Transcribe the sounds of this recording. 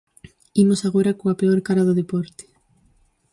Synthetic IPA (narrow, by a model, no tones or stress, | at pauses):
imosaɣ̞oɾakoapeoɾkaɾaðʊðepɔɾt̪e̥